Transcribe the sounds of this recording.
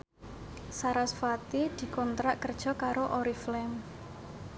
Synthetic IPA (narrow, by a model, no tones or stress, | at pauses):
saɾasfat̪id̪̥i̤kɔnt̪ɾaʔkərd̥ʒ̥ɔ̤kaɾoʔɔɾiflɛm